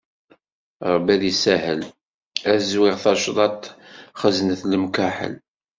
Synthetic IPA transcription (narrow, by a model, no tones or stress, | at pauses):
ɾˤbælisæɦəl | æzwɪʁθɑʃd̪ˤɑt̪ːχəznəθləmkæħə̰l